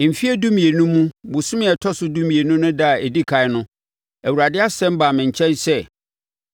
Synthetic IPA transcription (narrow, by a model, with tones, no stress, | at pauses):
m̩˨fi˦ɛ˦dũ˦mĩ˨e˨nũ˦mːũ˦bʊ˨sʊ̃˦mɪ̃˦ɛ˨tʰɔ˦sʊ˦dũ˦mĩ˨e˨nũ˦nʊ̃˦da˦˨ɛ˨di˦kʰa˨ɪ˦nʊ̃˦ | æ˨wu˨ɾa˨dɪ˦a˦sɛ̃˦m˦baː˨mɪ̃˨ɲ̩˨t͡ɕʰɛ̃˦nsɛ˦